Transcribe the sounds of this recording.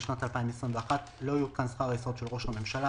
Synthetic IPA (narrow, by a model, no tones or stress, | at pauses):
ʃnat̪alpaimesʁimveaχat | lo̞ajukansχaʁesʁot̪ʃelʁo̞ʃhame̞mʃala